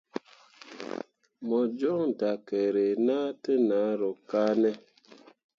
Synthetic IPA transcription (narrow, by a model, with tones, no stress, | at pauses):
mɔ˨d͡ʒɔ˦ŋ˨da˨kɛ˨ɾe˨na˦tə˦na˨˦ɾɔ˨ka˦nɛ˦